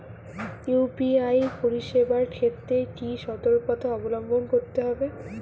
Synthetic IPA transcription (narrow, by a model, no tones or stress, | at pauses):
jupiajpoɾiʃebaɾkʰet̪ːɾekiʃɔt̪oɾkɔt̪aɔbolɔmbʱonkoɾt̪eɦɔbe